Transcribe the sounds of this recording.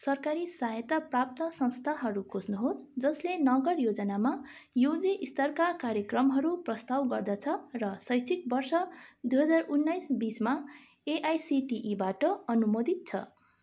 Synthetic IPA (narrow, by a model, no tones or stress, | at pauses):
sʌrkaɾisaɦjet̪aprap̚t̪ʌsʌ̃ñst̪ʰaɦʌɾukʰosnuɦosd͡zʌslenʌɡʌrjod͡zʌnamajod͡ziʔist̪ʌrkarkaɾjekrʌmɦʌɾuprʌst̪awɡʌrd̪at͡sʰʌrʌsʌjsʰik̚bʌrsʌd̪ujɦʌd͡zarunːʌjsbisma | eʔajsiʈiʔibaʈʌʌnumod̪it̪̚t͡sʰʌ̰